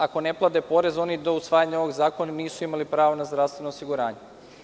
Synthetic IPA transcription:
ako̞ne̞plˠad̪epo̞ɾe̞zo̞nid̪o̞usʋaːjaɲao̞ʋoɡzaːko̞naniːsuimalipɾaːʋonazd̪ɾafst̪ʋenoːsiɡuɾaːɲe

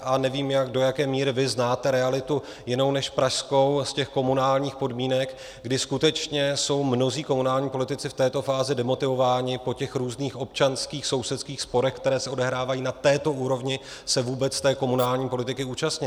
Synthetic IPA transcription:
ʔanɛviːmjaɡdo̞jakɛːmiːɾɪvɪznaːt̪ɛɾɛalɪt̪u | jɪno̞wnɛʃpɾaʃsko̞wscɛxko̞munaːlɲiːxpo̞dmiːnɛk | ɡdɪskut̪ɛt͡ʃɲɛso̞wmno̞ziːko̞munaːlɲiːpo̞lɪt̪ɪt͡sɪft̪ɛːt̪o̞faːzɪdɛmo̞t̪ɪvo̞vaːɲɪpo̞cɛxɾuːzniːxʔo̞p̚t͡ʃanskiːxso̞wsɛt̪skiːxspo̞ɾɛxkt̪ɛɾɛːsɛo̞dɛɦɾaːvajiːnat̪ɛːt̪o̞ʔuːɾo̞vɲɪ | sɛvuːbɛt͡st̪ɛːko̞munaːlɲiːpo̞lɪt̪ɪkɪuːt͡ʃast̪ɲɪ

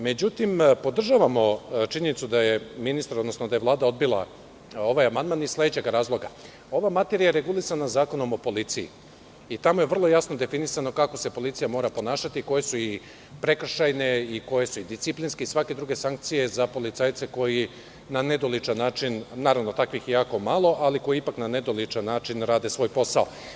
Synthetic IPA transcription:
me̞d͡ʑut̪impo̞d̪r̩ʒaʋamo̞t͡ʃiɲe̞nit̪sud̪aje̞minist̪aɾo̞d̪no̞snod̪ajelˠaːd̪ao̞d̪̚bilˠa̰ | o̞ʋajamand̪̚manizslˠe̞d̪et͡ɕe̞ɡɾaːzlˠo̞ɡa̰ | o̞ʋamat̪e̞ɾijaɾe̞ɡulˠisanazaːko̞no̞mo̞po̞lit̪sijḭ | it̪amo̞je̞ʋr̩lˠo̞jasno̞d̪e̞finisano̞kako̞se̞po̞lit̪sijamo̞ːɾapo̞naːʃat̪iːko̞je̞sui | pɾe̞kr̩ʃajne̞iko̞je̞suid̪ist̪iplinskeisʋake̞d̪ɾuːɡe̞saŋk̚t̪sije̞zapo̞lit̪saːjt̪se̞ko̞ji | nane̞d̪olit͡ʃanːaːt͡ʃinnaːɾaʋno̞t̪akʋixjaːko̞malˠo̞ʔaliko̞jiipaknane̞d̪olit͡ʃanːaːt͡ʃinɾaːd̪e̞sʋo̞ːjpo̞sao

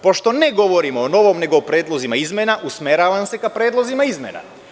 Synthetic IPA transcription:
po̞ʃt̪o̞neɡo̞ʋo̞ɾimoːno̞ʋo̞mne̞ɡoːpɾe̞ːd̪lˠo̞zimaizmenaʔusmeɾaʋamse̞kapɾeːd̪lˠozimaizmḛna̰

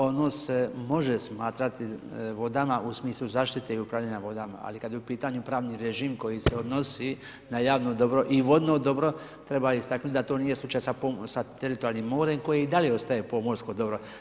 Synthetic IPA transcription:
ono̞ːsemo̞ʒesmaːt̪ɾat̪iʋo̞d̪amaʔusmiːslˠuzaːʃt̪it̪e̞iupɾaʋʎaɲaʋo̞d̪ama̰a̰likad̪jeupiːt̪aɲupɾaːʋniɾeʒiːmko̞jiseo̞d̪no̞si | najaːʋnod̪o̞bɾo̞ʔiʋo̞d̪nod̪o̞bɾo̞ | t̪ɾe̞baist̪aknut̪ʲd̪at̪o̞ːnijeslˠut͡ʃajsaosat̪eɾit̪oɾalniːmːo̞ːɾe̞mko̞jeid̪aljeo̞st̪aje̞po̞moɾskod̪o̞bɾo̞

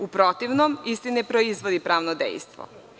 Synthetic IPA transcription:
upɾot̪iʋnomist̪inɛpɾoizʋod̪ipɾaːʋnod̪ḛjst̪ʋo̰

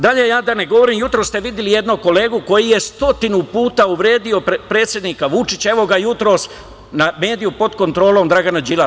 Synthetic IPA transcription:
d̪aʎe̞jaːd̪aneɡo̞ʋo̞ɾiːmjut̪ɾo̞ːst̪e̞ʋid̪jelije̞d̪noko̞le̞ːɡuko̞jije̞st̪o̞t̪inupuːt̪auʋɾe̞ːd̪io̞pɾeːt̪sje̞d̪niːkaʋut͡ʃit͡ɕaeʋo̞ɡajut̪ɾo̞s | name̞ːd̪ijupo̞d̪ko̞nt̪ɾo̞ːlo̞md̪ɾaɡanad͡ʒila

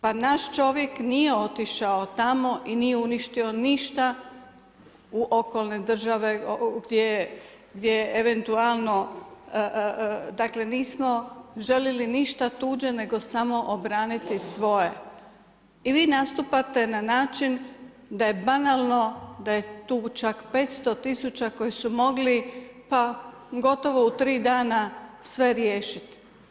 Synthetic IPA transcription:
panaʃt͡ʃo̞ʋje̞knijeo̞t̪iʃaot̪amo̞ʔinijeuniʃt̪io̞niʃt̪a | uʔo̞ko̞lˠne̞d̪r̩ʒaʋe̞oɡd̪je | ɡd̪jejeʔeʋe̞nt̪ualˠno̞ | d̪akle̞niːsmo̞ʒe̞ljeliniʃt̪at̪uːd͡ʑene̞ɡo̞samo̞ʔobɾaːnit̪isʋo̞je̞ | iʋiːnast̪upat̪e̞nanaːt͡ʃin | d̪aje̞banalˠno̞d̪aje̞t̪uːt͡ʃakpe̞ːt̪st̪o̞t̪isut͡ɕako̞jisumo̞ɡlipa | ɡo̞t̪o̞ʋo̞ut̪ɾiːd̪aːnasʋe̞ɾjeːʃit̪

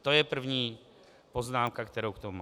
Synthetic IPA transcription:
t̪o̞jɛpr̩vɲiː | po̞znaːmkakt̪ɛɾowkt̪omu

